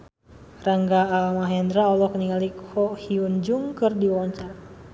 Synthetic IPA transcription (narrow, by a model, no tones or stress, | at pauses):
raŋɡaːlmaɦɛnd̪ɾaɔlɔkəniŋalikʰɔhiund͡ʒuŋkɨrdiwɔɲt͡ʃar